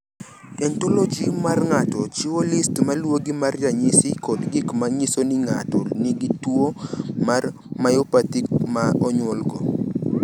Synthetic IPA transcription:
ɛntolɔd͡ʒimarŋatɔt͡ʃɪwolɪstmalwoɡimarjaɲɪsɪkɔdɡɪkmaɲisonɪŋa̰tɔnɪɡitwomar | majɔpatikmaɔɲwɔlɡɔ

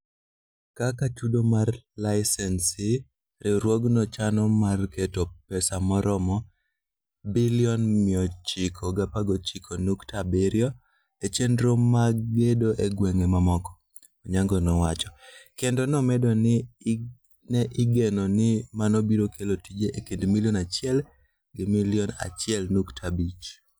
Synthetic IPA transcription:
kakat͡ʃudomarlaɪsɛnsɪ | ɾɪɾwoɡnɔt͡ʃanɔmarketopɛsamɔɾɔmɔ | biliɔnmɪɔt͡ʃikʰoɡapaɡot͡ʃikʰonuktabeɾjɔ | et͡ʃendɾomaɡedoʔeɡweŋemamɔkɔ̥ | ɔɲaŋɡɔnɔwat͡ʃɔ̥kendɔnɔmɛdɔnɪ | nɛʔɪɡenɔnɪmanɔbiɾokelotid͡ʒeʔekendmiliɔnat͡ʃɪɛl | ɡɪmiliɔna̰t͡ʃɪɛlnuktʰabit͡ʃ

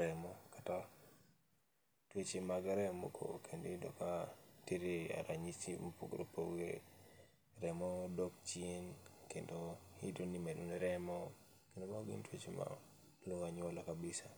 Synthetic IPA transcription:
ɾɛmɔkata | twet͡ʃemaɡaɾɛmo̰kʰo̰kʰendidɔkatiɾea̰ɾaɲisimpuɡɾopʰoɡḛ | ɾɛmɔdɔk̚t͡ʃinkendohidonimɛdonɾɛmɔ | kendomaɡɪ̰ntwet͡ʃema̰ | loŋaɲɔlakabisa

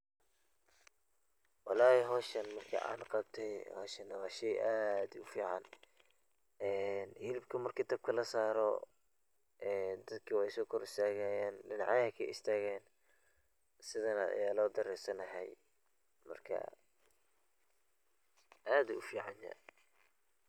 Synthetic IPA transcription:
wɑlɑːɛɦɔːʃɐnmɐrkʰɐ̰ʔa̰ːnqɑbt̪ʰɛjhɔːʃɐnɐwɑːʃɛjʔaːd̪ʊfiːʕɑ̰n | ɛːnhɪlɪbkʰɐmɐrkʰiːt̪ɐb̚kʰɐlɐsaːɾɔ̰ | ʔɛːd̪ɐd̪kʰɐwɛjsɔːkʰɔɾɪst̪ʰaːɣaːjaːnɖɪnɑ̰ʕɛkʰɐɪst̪ʰaːɣɛːn | sɪðɐna̰jaːlɔːd̪ɐɾɛsɐnɐɦɛ̰j | mɐ̰rkʰɐ̰ | ʔaːd̪ʊfiːʕɑnjɐ̰

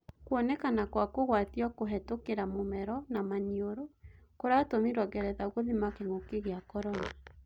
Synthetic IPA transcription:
kwɔnɛkanakwakoɣwatiɔkoɦɛtokeɾamomɛɾɔnamaɲioɾokoɾatomiɾɔɣɛɾɛðaoɣoðimakeŋokeɣeakɔɾɔna

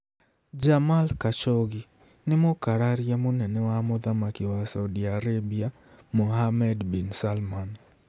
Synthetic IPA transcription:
d͡ʒamalkat͡ʃoɡi | nɪmokaɾaɾjamonɛnɛwamɔðamakɪwasawdiaɾabia | mohamɛdbinsalman

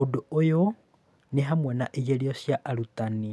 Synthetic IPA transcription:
odoojo | neɦamwɛnaʔijeɾiosjaʔːɾutani

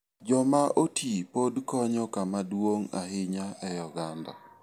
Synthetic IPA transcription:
d͡ʒɔmaʔotʰipodkɔɲɔkamadwoŋa̰ɦɪɲaɛjɔɡanda̰

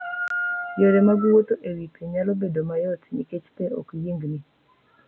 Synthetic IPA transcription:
joɾemaɡwot̪oʔewipʰeɲalobedomajɔtɲiket͡ʃpeo̰kjiŋɡni

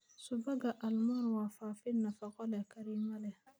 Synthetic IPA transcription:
subaɡaʔalmɔɾwafaːfinafakɔlɛkaɾimalɛ

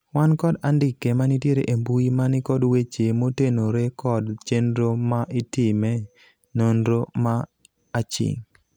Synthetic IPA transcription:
wankɔdandɪkemanitjeɾeʔembuimanɪkɔdwet͡ʃemotenoɾekɔdt͡ʃendɾomaʔɪtɪmɛ | nondɾoma | at͡ʃɪ̰ŋ

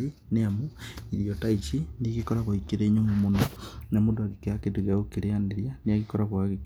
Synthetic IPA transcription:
i | neamoiɾiotait͡ʃinikikoɾaβwaikeɾeɲomomononamodoakekeakeduɣaokeɾeandeɾjaneaɣikoɾaβwaɣi

